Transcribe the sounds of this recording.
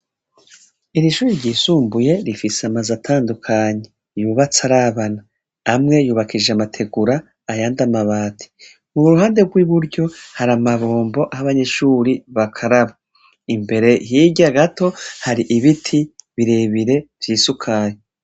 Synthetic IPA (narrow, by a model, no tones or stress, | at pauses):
iɾiʃuːɾiɾɟiːsuːmbuje̞ɾifiseamazatʰaːndukʰaɲe̞ | juːβat͡saɾaβanaː | mŋe̞juːβakiʒeamatʰe̞ɡuɾaː | jaːndamaβaːtʰi̥ | muɾuɾuhaːnde̞ɡwiβuɾɟo̞haɾamaβoːmbo̞ʔahaβaɲe̞ʃuːɾiβakʰaɾaβa | imbe̞ɾe̞jiɟaɡato̞haɾiʔiβitʰiβiɾe̞βiɾe̞vjiːsukʰaːjo